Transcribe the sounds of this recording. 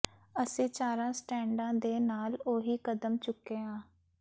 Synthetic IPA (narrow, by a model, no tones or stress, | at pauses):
əsĩːt͡ʃaːɾãːsʈɛːɳɖãːd̪eːnaːloːɦiːkəd̪əmt͡ʃʊkːeːãː